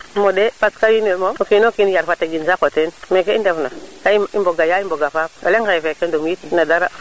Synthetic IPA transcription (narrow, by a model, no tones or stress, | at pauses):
modepaskawinwemookinokinjaɾfateɡinsakotenmekeindefnakaiḭmboɡajaimboɡafap̚o̰leŋkaɛfekendomjitnadaɾa